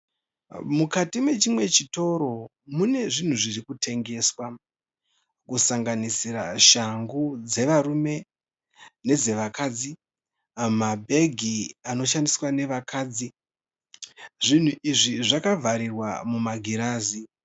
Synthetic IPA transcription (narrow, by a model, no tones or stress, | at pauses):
mukatimwe̞t͡ʃimwe̞t͡ʃito̞ɾo̞ | mune̞ʐin̤uʐirikute̞ŋɡe̞ːswa | kusaŋɡanisiɾa̰ʃaŋɡud͡ze̞ʋaɾume̞ | ne̞d͡ze̞ʋakaːd͡zi | mabʱe̞ɡʱiano̞ʃandiswane̞ʋakaːd͡zi | ʐin̤uʔiʐiʐakavʱaɾirwa̰mumaɡʱiɾaːzi